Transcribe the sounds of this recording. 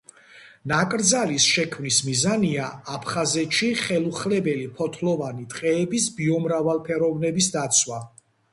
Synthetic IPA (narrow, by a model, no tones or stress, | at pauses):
nakʼɾd̪zalisʃɛkʰmnismizaniaapʰχazɛt̪ʃiχɛlˠuχlɛbɛlipʰɔt̪ʰlɔvanit̪ʼqʼɛːbisbiɔmɾavalˠpʰɛɾɔvnɛbisd̪at̪sʰwa